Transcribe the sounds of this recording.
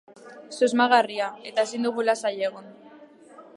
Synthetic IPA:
suzmaɣ̞ariae̞t̪ae̞sind̪uɣ̞ulasaʎeɣ̞on

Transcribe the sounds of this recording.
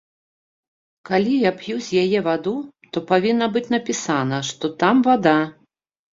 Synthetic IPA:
kalʲijapjuzʲjajɛvad̪ut̪ɔpavʲinːɐbɨt͡sʲnɐpʲisanɐʂt̪ɔt̪amvad̪a

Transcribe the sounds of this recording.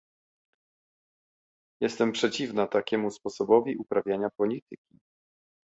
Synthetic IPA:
jɛst̪ɛmpʂɛt͡ɕivnat̪akʲɛmuspɔsɔbɔvʲiʔupɾavʲjaɲapɔlʲit̪ɘkʲi

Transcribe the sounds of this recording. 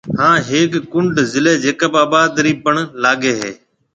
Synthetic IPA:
hãːɦeːkːʊɳɖzɪleːd͡ʒeːkəbaːbaːd̪ɾiːpəɳlaːɠeːɦḛː

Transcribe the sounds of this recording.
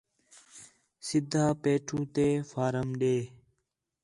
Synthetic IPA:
sɪd̪ʱːaːpeːʈʰũːt̪eːfaːɾəmɗeː

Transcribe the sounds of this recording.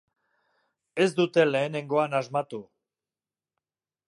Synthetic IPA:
e̞zd̪ut̪e̞le̞ːne̞ŋɡo̞anazmat̪u

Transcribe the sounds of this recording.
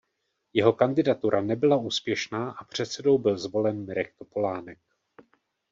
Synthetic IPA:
jɛɦo̞kandɪdat̪uɾʔanɛbɪlauːspjɛʃnaːʔapr̝̥ɛt̪sɛdo̞wbɪlzvo̞lɛnmɪɾɛk̚t̪o̞po̞laːnɛk̚

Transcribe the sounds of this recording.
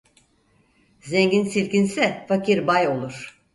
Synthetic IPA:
zɛɲɟinsilʲcinsɛfakʰiɾbajo̞lˠuɾ̝̥

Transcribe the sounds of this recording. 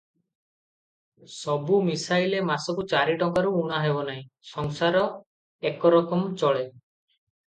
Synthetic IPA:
sɔbumisajlemasɔkut͡ʃaɾiʈɔŋkaɾuuɽ̃aɦebɔnaĩsɔŋsaɾɔ | ekɔɾɔkɔmɔt͡ʃɔɭe

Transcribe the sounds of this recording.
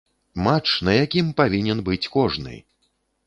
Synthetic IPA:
mat͡ʂnɐjakʲimpavʲinʲɛnbɨt͡sʲkɔʐnɨ̰

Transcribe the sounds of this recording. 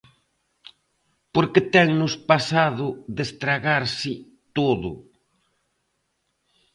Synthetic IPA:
poɾkɪt̪ɛŋnʊspasaðʊðest̪ɾaɣaɾsɪ | t̪oðʊ̰

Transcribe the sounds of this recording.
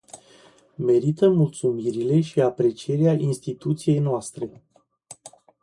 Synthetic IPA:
me̞ɾit̪əmult̪sumiɾile̞ʃiapɾe̞t͡ʃie̞ɾeaʔinst̪it̪ut̪sije̞jnoast̪ɾe̞

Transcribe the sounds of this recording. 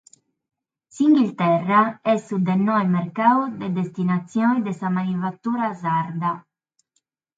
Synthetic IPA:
siŋɡilt̪ɛrːaɛsud̪ɛnːɔɛmɛɾkaːwd̪ɛd̪est̪inat̪sːjɔnid̪ɛsamanifat̪ːuːɾazaɾd̪a

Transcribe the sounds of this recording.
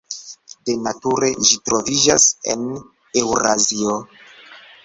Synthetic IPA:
de̞natuɾe̞ʒitɾo̞vid͡ʒase̞̰n | e̞wɾazio

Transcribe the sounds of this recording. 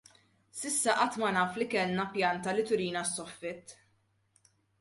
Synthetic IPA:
sɪsːɐʔɐt̪ːmɐnɐːflikɛlnɐpjɐnt̪ɐlɪt̪ʊɾiːnɐsːɔfːɪt̪ː

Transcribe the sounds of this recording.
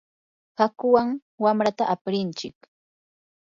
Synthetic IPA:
hakʊwaŋ | wamɾat̪aʔapɾɪnt͡ʃɪk

